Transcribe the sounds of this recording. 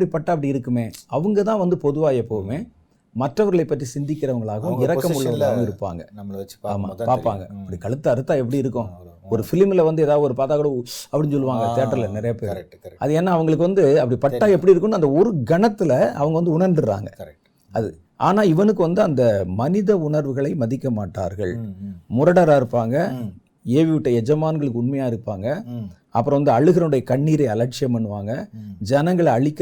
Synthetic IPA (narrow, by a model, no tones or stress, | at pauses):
ɐpːɐɽipɐʈːaːp̬ɐɽiɪɾɯkːɯmeːɐʋɯŋɡɐt̪ãːʋɐnd̪ɯpɔðɯʋaːjɐpːoːɯmeː | mɐʈːrɐʋɐɾɣɭɐɪpːɐʈrisɪnd̪ɪkːɪɾɐʋɐŋɡɐɭaːɣɐʊ̃ɪɾɐkːɐmʊɭːɐʋɐɡ̪aŋɡɐɪɾɯpːa̰ːŋɡɐa̰ːma̰ːpaːɾpa̰ːŋɡɐɐpːɽikɐɭɯt̪ːɐɐɾɯt̪ːaːɛp̬ːɐɽiɪɾɯkːʊ̃ɔɾɯfɪlmɪlɐʋɐnd̪ɯeːðaːʋðɯɔɾɯpaːt̪aːkːɐɽɐ̃ɐpːɐɽɪnɲs̬ɔlːɯʋaːŋɡɐt̪eːʈːɐɾɪlɐnɪɾɐjɐpeːɾɐ̰ðɯɛːnːaɐʋɐŋɡɐɭɯk̬ːɯʋɐnd̪ɯɐpːɐɽipɐʈːaːɛpːɐɽiɪɾɯkːɯnːɐnd̪ɐɔɾɯɡɐnɐt̪ːɪlɐɐʋɐŋɡɐʋɐnd̪ɯʊɳɐɾnɖɯɾa̰ːŋɡɐ̰kɐ | ɐðɯ | ʔa̰ːnaːɪʋɐnɯk̬ːɯʋɐnd̪ɯɐnd̪ɐmɐnɪðɐʊɳɐɾʋɯɣɐɭɐɪmɐðɪkːɐmaːʈːa̰ːɾɣɐ̰ɭmʊɾɐɽɐɾaːɪɾɯpːaːŋɡɐ | eːʋɪʋɪʈːɐɛd͡ʒɐmaːnɡɐɭɯk̬ːɯʊɳmɐjaːɪɾɯpːaːŋɡɐ | ɐ̰pːɯɾɔ̃ʋɐnd̪ɯɐɭɯɣɾɐɯɽɐjɐkɐɳːiːɾɐɪɐlɐʈ̚t͡ʃɪjɐmpɐɳːɯʋaːŋɡɐd͡ʒɐnɐŋɡɐɭɐɭɪkː